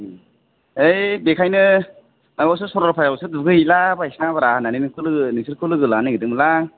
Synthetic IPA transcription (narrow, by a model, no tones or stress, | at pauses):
ejbekʰajnɯ | naɡaws̬ɯsɔɾɔɾpʰajawsɯduɡɯilabajsnaŋbaɾananinɯkʰɯlɯɯnisɯɾkʰɯlɯɡɯlanɯɡɯdɯŋmɯlaŋ